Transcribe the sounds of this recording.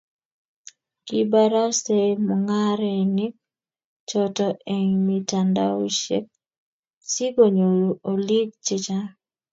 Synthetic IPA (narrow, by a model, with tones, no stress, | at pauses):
ki˦ba˦ɾa˦se˦mɔŋa˦ɾeni˦k̚ | t͡ʃɔtɔ˨ʔe˨ŋmitanda˦u˦ʃḛ˦k̚ | si˦ɡo˨ɲo˨ɾu˨ʔo˨li˦ɡ̚t͡ʃɪ˦t͡ʃa˦